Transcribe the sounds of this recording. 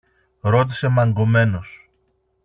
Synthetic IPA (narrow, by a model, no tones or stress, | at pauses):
ɾo̞t̪̬i̥se̞mɐŋɡo̞me̞no̞s